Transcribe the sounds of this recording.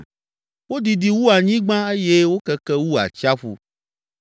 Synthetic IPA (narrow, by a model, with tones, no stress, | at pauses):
wo˦d̪i˨di˨wu˦a˨ɲĩ˦ɡ͡bã˦e˦je˦wo˦kɛ˦kɛ˦wu˦a̰˨t͡ʃa˦ɸṵ˦